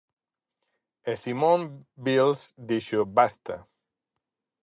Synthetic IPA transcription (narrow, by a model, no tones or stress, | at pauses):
esimõmbilsd̪iʃobast̪ɐ